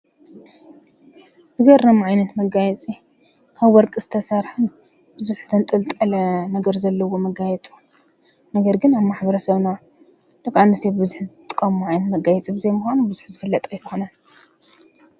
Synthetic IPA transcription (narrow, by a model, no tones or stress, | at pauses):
zɨɡɐɾːɐmuʕajnɐt̪mɐɡajɛt͡sʼi | kʰaβwɔɾkʼɨzɨt̪ʰɐsɐɾħɨn | b̥ɨzuħzɐnt̪ʼɨlt̪ʼɐlɐnɐɡɐɾzɐlːɐwo̞mɐɡajɛt͡sʼu | nɐɡɐɾɡɨnaβmaħbɐɾɐsɐβna | d̪̥ɨkʼʕanːɨst̪ʰibɨbɨzuħzɨt̪ʼt̪ʼːɨkʼːɐmuʕajnɐt̪mɐɡajɛt͡sʼibɨzejmuxʷanubɨzuħzɨfɨlːɐt̪ʼɐjt̪ʰɨxonan